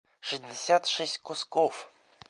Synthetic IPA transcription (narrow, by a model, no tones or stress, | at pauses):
ʂɨzʲdʲɪsʲat̪ʂɛsʲtʲkoskof